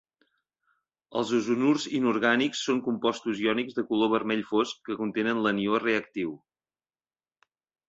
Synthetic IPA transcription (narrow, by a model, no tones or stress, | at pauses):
əlˠzuzunurzinuɾɣaniksːoŋkumpɔst̪uziɔniɡzðəkuloβ̞əɾmɛʎfoskːəkunt̪enənlənioreək̚t̪iw